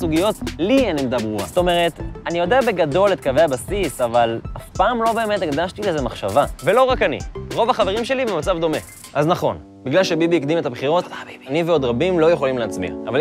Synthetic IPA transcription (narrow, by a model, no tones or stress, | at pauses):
suɡijo̞tlianimed̪abʁua̰sto̞meʁ̞e̞t̪anijo̞deabe̞ɡado̞le̞t̪̚kave̞jabasisavalafpaːmlo̞be̞ːmetiɡd̪aʃt̪ilezemaχʃavave̞lo̞ʁakanḭʁo̞vaχaveʁimʃe̞libemat͡savd̪o̞me̞ | ʔaznaχo̞̰n | biɡlalʃe̞bibiikd̪imet̪abχiʁo̞t̪animveo̞d̪ʁabimlo̞jeχo̞limleat͡smḭʁaval